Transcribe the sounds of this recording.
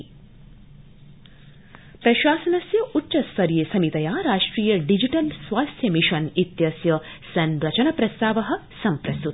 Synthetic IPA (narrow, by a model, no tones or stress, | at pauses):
pɾɐʃaːsɐnɐsjɐʔutːʃɐst̪ɐɾjeːsɐmit̪ɐjaːɾaːʂʈɾiːjɐɖid͡ʒiʈɐlsʋaːst̪ʰjɐmiʃɐnit̪jɐsjɐ | sɐnɾɐt͡ʃɐnɐpɾɐst̪aːʋɐɦɐ̆sɐmpɾɐst̪ut̪